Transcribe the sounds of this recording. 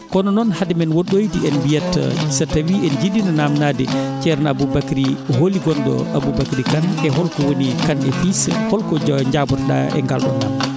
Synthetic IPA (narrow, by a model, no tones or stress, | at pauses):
kɔnɔnɔnhadɛmɛnwoɗojdiɛnbiɛtːa̰satːawiɛnd͡ʒiɗinanamnadɛ̰t͡ʃɛɾnaabubakɾiholiɡɔndɔ̰abubakɾikanɛɦɔlkɔwonikanɛ̰fishɔlkɔd͡ʒɔɲd͡ʒabɔtɗa̰ɛ̰ŋɡalɗɔ̰nɡa̰m